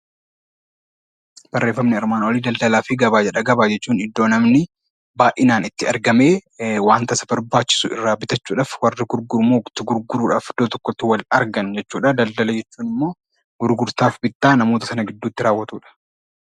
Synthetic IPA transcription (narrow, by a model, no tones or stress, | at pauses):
b̥ɐrːe̞ːfːɐmnɪɪɾmaːnɐwɐliːd̪ɐld̪ɐlaːfɪɡɐbaːd͡ʒɛᶑɐɡɐbaːd͡ʒɛt͡ʃːuːnɪd̪ːo̞ːnɐmnɪ | baːʔɪnaːnɪt̪ːɪɐɾɡɐme̞ːwaːnt̪ɐsɐbɐɾbaːt͡ʃːɪ̥sʊɪ̰rːaːbɪt̪ɐt͡ʃːuːᶑaːfwɐrːɪɡʊɾɡʊɾmoːt̪ɪɡʊɾɡʊɾuːᶑaːfɪd̪ot̪ɔkːɔt̪ːɪwɐlɐɾɡɐnd͡ʒɛt͡ʃːuːᶑɐd̪ɐld̪ɐlɐd͡ʒɛt͡ʃːuːnɪmːo̞ː | ɡ̥ʊɾɡʊɾt̪aːfbɪt̪ːaːnɐmo̞ːt̪ɐsɐnɐɡɪd̪ːuːt̪ːɪɾaːwːɐt̪uːᶑɐ̥